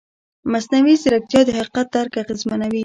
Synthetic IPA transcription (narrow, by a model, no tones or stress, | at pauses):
masnawizɪɾak̚t̪jɑd̪əhaqi̥qat̪̚d̪aɾkaɣɪzmanawi